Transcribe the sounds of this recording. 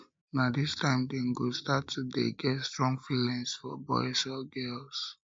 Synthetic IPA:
nadistãɪ̃mdeŋ̩ɡostatudḛɡɛtstɹɔ̃ŋɡfilɛ̃nsfɔ̰bɔ̰ɪsɔɡɛls

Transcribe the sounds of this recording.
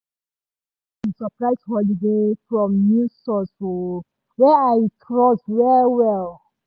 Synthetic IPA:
isɔpɹaɪshɔlidefɹɔ̃mnũsɔso | wɛajtɹɔswɛwɛl

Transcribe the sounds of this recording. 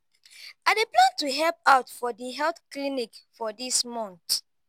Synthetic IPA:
adeplãntuɦɛlp̚aʊtfɔdiɦɛlθklinikfɔdismɔ̃nt

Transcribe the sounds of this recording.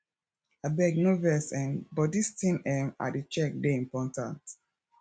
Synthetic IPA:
abɛɡnovɛsɛ̃nbɔdistĩnɛma̰det͡ʃɛk̚deĩmpɔtã̰nt

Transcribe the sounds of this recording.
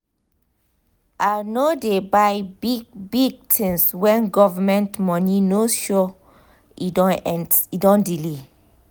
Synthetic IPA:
anodebajbiɡbiɡ̚tʰĩnswɛ̃nɡɔvamɛ̃ntmɔ̃ninoʃɔ | idɔ̃nɛ̃nidɔ̃ndili

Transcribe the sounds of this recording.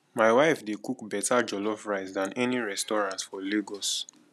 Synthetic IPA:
maɪwaɪfdekukbɛtad͡ʒɔlɔfɹaɪsdãnʔɛniɹɛstɔɹãntfɔleɡɔs

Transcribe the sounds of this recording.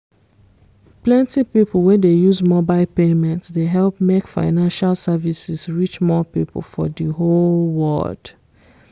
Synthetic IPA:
plɛ̃ntipipl̩ˠwɛdejuzmɔbaɪlpemɛ̃ntsdeɦɛlˠpmekfa̰ɪnãnʃalˠsɛvisisɹit͡ʃmɔpipl̩fɔdiɦolwɜ̰ld̥

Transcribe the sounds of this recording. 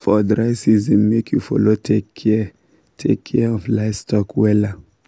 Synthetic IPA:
fɔdɹaɪsizĩmmekʰjufɔ̰lotʰekʰɛ | tʰḛkʰːɛɔflaɪvstɔkʰwɛla

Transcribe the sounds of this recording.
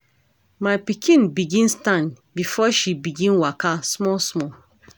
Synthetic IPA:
maɪpikʰĩnbiɡĩnstãn | bifɔʃibiɡĩnwakasmɔsmɔ

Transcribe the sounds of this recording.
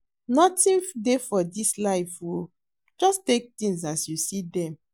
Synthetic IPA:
nɔtĩndefɔdislaɪfwo | d͡ʒɔstek̚tĩŋs̬asjusidɛ̃m

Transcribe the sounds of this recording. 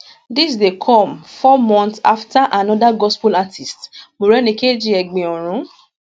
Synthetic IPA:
dis̬dekʰɔmfɔmɔ̃ntsa̰ftaʔanɔ̃daɡɔspulatʰistmoɾɛnĩked͡ʒiɛɡ͡bẽɔɾ̃ũ

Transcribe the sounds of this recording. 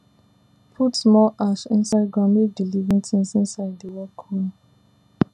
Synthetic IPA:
pʰutsmɔlʔaʃĩnsaɪdɡãmedilivĩntĩnsĩnsaɪdiwɛkʰun

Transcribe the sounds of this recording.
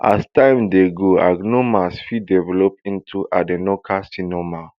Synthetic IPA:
ʔa̰stãɪ̃mdeɡoa̰ɡnomasfidɛvɛlɔp̚ĩntʰuʔadenɔkʰastinɔma

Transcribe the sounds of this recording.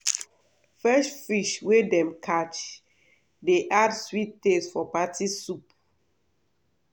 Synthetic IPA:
fɛstfiʃwedɛ̃mkʰat͡ʃ | deʔadswit̚tesfɔpatisup

